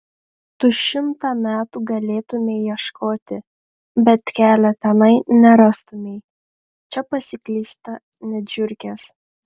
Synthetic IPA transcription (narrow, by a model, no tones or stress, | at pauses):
t̪ʊʃʲɪmt̪ɑːmʲæːt̪uːɡɐlʲeːt̪ʊmʲeɪjiɛʃkʰoːt̪ʲɪ | bʲɛt̪kʲæːlʲɛt̪ʲɛnɐɪnʲɛɾɑst̪ʊmʲeɪ | t͡ʃʲɛpɐsʲɪkʲlʲiːst̪ɐ | nʲɛd͡ʒʲʊɾʲkʲɛs